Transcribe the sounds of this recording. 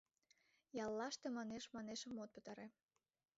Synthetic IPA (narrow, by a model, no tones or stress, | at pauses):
jɑlːɑʃt̪emɑneʃmɑneʃəmot̪̚pə̥̆t̪ɑɾe